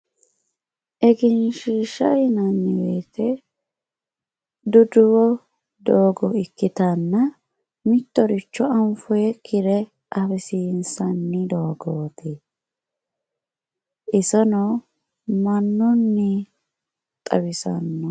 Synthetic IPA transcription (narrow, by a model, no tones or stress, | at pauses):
ʔɛɡɪnʃiːʃɐjnɐnːɪweːt̪ɛ | d̪ʊd̪ʊwɔ | d̪oːɡɔɪkːɪt̪ɐnːɐ | mɪt̪ːɔɾɪt͡ʃːɔɐmfɔjɛkʰɪɾɛ | ʔɐfɛsiːnsɐnːɪd̪oːɡoːt̪ɛ | ʔɪsɐnɔ | mɐnːʊnːɪ | t̪ʼɐ̰bɪsɐnːɔ